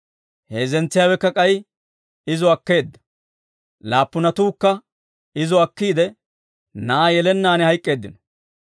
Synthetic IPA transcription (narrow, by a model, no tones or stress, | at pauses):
he̞ːzɛnt͡sːɪjaːwɛkːɐkʼɐj | ɪzɔɐkːe̞ːd̪ːɐ̥ | laːpːʊnɐt̪uːkːɐ | ɪzɔɐkːiːd̪ɛ | nɐajɛlɛnːaːnɛhɐjkʼːe̞ːd̪ːɪn